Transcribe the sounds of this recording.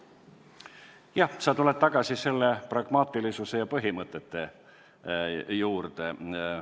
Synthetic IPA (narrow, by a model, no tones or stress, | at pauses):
jɑhsɑt̪ule̞d̪̥̚t̪ːɑɡ̥ɑsise̞lːe̞prɑɡ̥mɑːt̪ːˑilisuse̞jɑpɤɦimɤt̪ːˑe̞t̪ːˑe̞ | juːrt̪e̞